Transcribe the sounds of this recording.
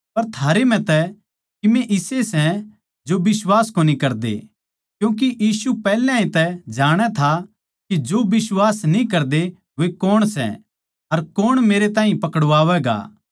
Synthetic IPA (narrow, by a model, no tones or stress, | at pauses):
pɐɾt̪ʰaːɾem̤ɛ̃t̪ɛ | kimɛ̃ʔɪsesɛ̃ | d͡ʒobɪswaːskoːnikɐɾd̪ḛ | kjũːk̬ijiːsupɛːlãːĩt̪ɛd͡ʒaːɽ̃ɛt̪ʰa | kid͡ʒobɪswaːsnĩkɐɾd̪e | ʋekoːɽ̃sɛ̰̃ | ɐɾkoːɽ̃meːɾet̪ãːɦĩpɐkəɽʋaːʋɛɡa̰